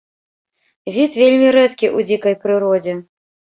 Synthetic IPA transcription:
vʲit̪vʲelʲmʲiɾɛt̪kʲiʔud͡zʲikɐjpɾɨɾɔd͡zʲɛ

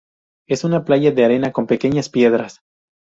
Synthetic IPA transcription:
e̞sunaplaʝaðe̞aɾe̞nako̞mpe̞ke̞ɲaspje̞ð̞ɾas

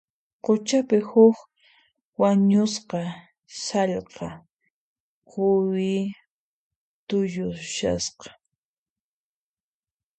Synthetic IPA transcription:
qʊt͡ʃapɪhʊk | waɲʊsqɑ | sɑʎqɑ | qʊwɪ | t̪ʊjʊʃa̰sqɑ̥

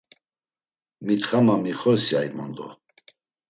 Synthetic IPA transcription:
mit̪χamamiχɔsjajmɔnd̪ɔ̰

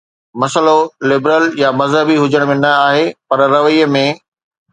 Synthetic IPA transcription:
mɐsəlolɪbɾəljamɐzɦəbiɦʊd͡ʑəɽ̃mẽnɐaːɦepɐɾɾɐʋijəmẽ

